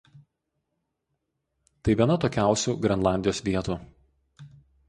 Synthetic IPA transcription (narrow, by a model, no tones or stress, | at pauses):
t̪ɐɪʋʲiɛnɐt̪oːkʲæˑʊsʲuːɡɾʲɛnlˠɑˑnʲd̪ʲɪjoːsʋʲiɛt̪uː